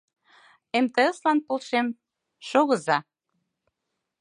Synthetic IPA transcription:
emt̪eəslɑnpolʃem | ʃoɣɤ̆zɑ

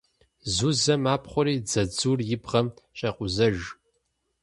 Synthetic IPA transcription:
zuzɐmaːpχʷʊɾiːd͡zɐd͡zuːrjɪbʁɐmɕʼɐqʷʊzɐʒ

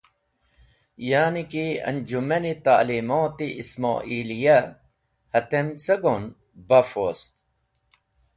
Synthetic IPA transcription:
jaːnikiɐ̰nd͡ʒumɐnit̪a̰ːliːmoːt̪iʔisma̰ːʔiːlija | hɐt̪emt͡sɐɡon | bɐfost̪

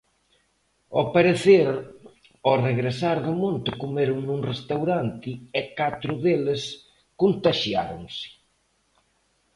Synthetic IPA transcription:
opeɾeθeɾ | oreɣɾesaɾðʊmõnt̪ɪkomeɾʊŋnuŋrest̪awɾant̪ɪɛkat̪ɾʊðelɪs | kont̪aʃjaɾʊŋsɪ̥

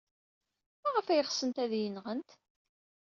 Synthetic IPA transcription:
mæʁəfæjəχsənt̪æðjənʁənt̪

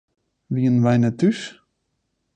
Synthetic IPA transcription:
ʋiənʋɛjnətys

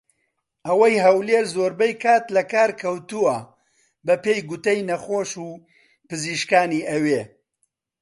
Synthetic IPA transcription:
ʔɐwɐjɦɐwleːɾzoːɾbɐjkʰaːt̪lɐkaːɾkʰɐwt̪uwɐ | bɐpeːjɡʊt̪ɐjnɐχoːʃuː | pɨziːʃkaːniːʔɐweː

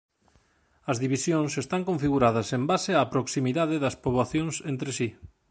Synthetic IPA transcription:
ɐzðiβisjoŋsest̪aŋkõɱfiɣuɾaðɐsembaseaːpɾoksimiðaðɪðɐspoβlaθjoŋsent̪ɾesi

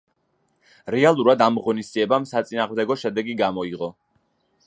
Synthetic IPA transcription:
ɾɛalˠuɾad̪amʁɔnisd̪ziɛbamsat̪sʼinaːʁmd̪ɛɡɔʃɛd̪ɛɡiɡamɔiʁɔ

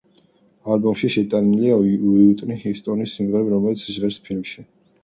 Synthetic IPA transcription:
albɔmʃiʃɛt̪ʼaniliawiut̪ʼnihist̪ʼɔnisimʁɛɾɛbɾɔmɛlit̪sʰʒʁɛɾspʰilmʃi

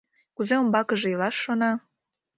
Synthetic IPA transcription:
kuzeombɑkə̆ʒĕilˠɑʃːonɑ

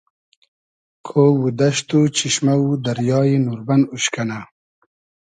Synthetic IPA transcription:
kʰowud̪ɐʃt̪ut͡ɕiʃmaud̪ɐɾjɑːjinuɾbɐnuɕkana

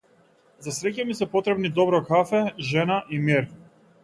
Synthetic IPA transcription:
zasɾɛcamisɛpɔt̪ɾɛbnid̪ɔbɾɔkafɛʒɛnaʔimiɾ

